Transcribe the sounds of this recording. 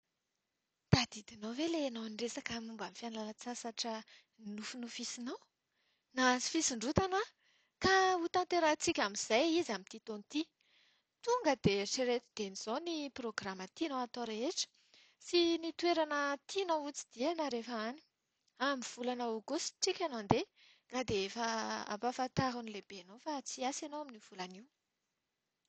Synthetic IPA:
d̪̥ad̪̥id̪inowvelenowniresakamumbamifianlalat͡sasaʈ͡ʂə | inufunufisinow | nasi̥fisiɳɖ͡ʐut̪ana | kaut̪ãnt̪eɾat͡sikʲamiz̥ajizamit̪it̪onit̪i | t̪uŋɡəd̪̥eʈ͡ʂeɾet̪d̪̥eniz̥oniproɡramət̪inoat̪oɾeeʈ͡ʂə̥ | sinit̪weɾanət̪ʰinout͡si̥d̪̥ianaɾefəani̥ | amiv̥ulanaoɡusʈ͡ʂikʲanand̪e | ɡ̥ad̪eefəa̰pafat̪aɦunilebenowfat͡siasanowaminiv̥ulaniw

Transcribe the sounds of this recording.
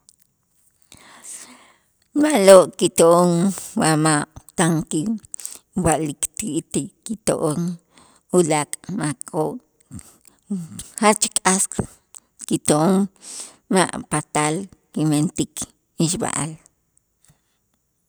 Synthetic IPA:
maʔloʔkit̪oʔoŋwamaʔt̪aŋki | waʔlikt̪iʔt̪ikːit̪o̰ʔoŋ | ulakʼmakʰʼoʔ | hat͡ʃkʼasq | kit̪oʔoŋ | ma̰ʔpat̪alkiment̪ikʰ | iʃba̰ʔa̰l

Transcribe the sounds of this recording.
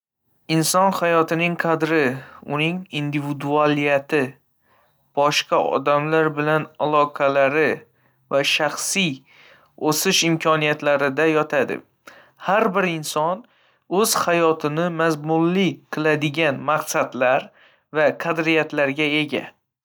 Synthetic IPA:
ɪnsɒnhajɒt̪ʰɪnɪŋqʰɑd̪ɾɪʊnɪŋind̪ivɪd̪ualijat̪ʰɪ | b̥ɒʃqʰɑʔɒ̰d̪amlaɾbɪlanalˠɒqʰɑlaɾɪ | vaʃaχsij | osɪʃɪmkʲʰɒnijat̪laɾɪd̪ajɒt̪ʰad̪ɪ̰ | haɾbɪɾɪnsɒn | ɵz̥hajɒt̪ʰɪnɪmazmʊlːɪqʰɨlˠad̪ɪɡʲanmaqsad̪laɾ | vaqʰad̪ɾijat̪laɾɡʲae̞ɡʲa̰

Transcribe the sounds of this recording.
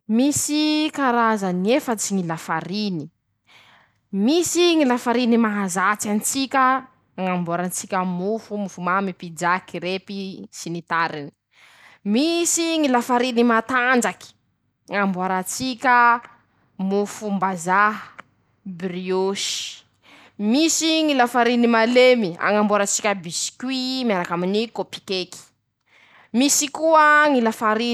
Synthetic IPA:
misikaɾazaniefət͡siŋilafaɾini | misiŋilafaɾinimaɦazat͡sanit͡sikʲə | ŋambuaɾant͡sikʲəmufumufumamipid͡ʒakiɾepisinit̪aɾini̥ | misiŋilafaɾinimat̪and͡ʒaki̥ | ŋambuaɾat͡sikʲə | mufumbazaɦ | brioʃi̥ | misiŋilafaɾinimalemia̰ŋambuaɾat͡sikʲəbisi̥kʲwimiaɾakaminikopi̥keki̥ | misikuəŋilafaɾi

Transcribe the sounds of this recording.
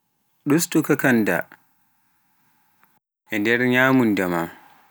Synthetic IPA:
ɗustukakanda̰ | ʔɛndɛɾɲaːmundama

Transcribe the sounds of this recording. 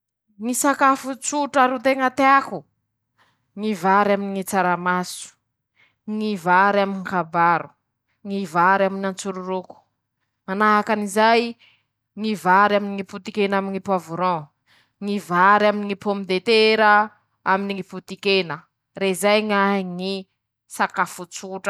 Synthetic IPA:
ŋisakafut͡suʈ͡ʂaɾut̪eŋat̪eaku | ŋivaɾaminiŋit͡saɾamasu̥ | ŋivaɾaminkabaɾu | ŋivaɾaminant͡suɾuɾuku̥ | manaɦakanizaj | ŋivaɾaminiŋiput̪ikenaminipavuɾɔ̃ | ŋivaɾaminiŋipomid̪et̪eɾə | aminiŋiput̪ikenə | rezajŋaŋi | sakafut͡suʈ͡ʂə̥

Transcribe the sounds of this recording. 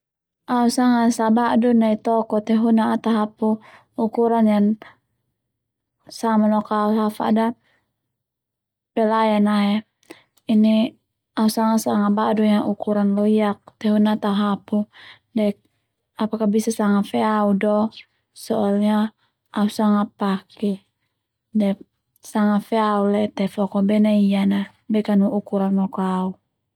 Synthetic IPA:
ausaŋasabaʔdunait̪ɔkɔt̪ɛɦunaːt̪aɦapu | ukuɾanjan | samanɔkauafa̰da | pɛlajanaɛ | ini | ausaŋasaŋabaʔdujaʔukuɾanlɔiak̚t̪ɛɦunat̪aɦapu | dɛk̚ | apakabisasaŋafɛaudɔ | sɔʔalɲaː | usaŋapakɛ | dɛ | saŋafɛaulɛt̪ɛflɔkɔbɛnaiana | bɛkanuukuɾanlɔkɔau

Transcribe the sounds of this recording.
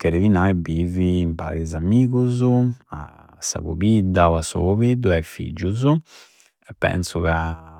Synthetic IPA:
keɾevinaɛbivimpa̰ɾizamiːkuzua̰ | sa̰βṵbid̪awasṵkovid̪uɛfḭd͡ʒːuzu | ɛpːɛ̰nsuka

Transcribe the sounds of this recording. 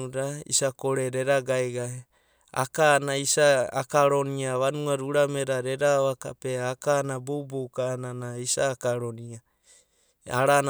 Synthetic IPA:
uɾaḭsakoɾeɾeɾaɡaeɡa | a̰kanaisaːkaɾoniaβanuaɾuɾameɾaɾeɾaβakapeakanabubukananaisaːkaɾonia | aɾan

